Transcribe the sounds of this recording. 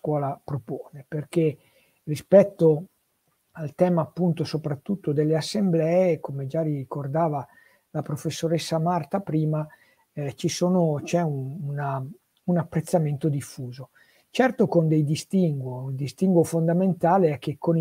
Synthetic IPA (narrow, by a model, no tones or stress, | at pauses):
kwɔːlapɾopoːneperk̟e | rispɛt̪ːo | alt̪ɛːmaːpːunt̪osopɾat̪ːut̪ːod̪elːeasːemblɛːekomed͡ʒariikord̪aːva | lapɾofesːoɾesːamart̪apɾiːma | t͡ʃisoːnot͡ʃɛununa | unapːɾet̪sːament̪od̪ifːuːzo | t͡ʃɛrt̪okond̪ejd̪ist̪iŋɡwould̪ist̪iŋɡwofond̪ament̪aːleɛk̟ːekʰːon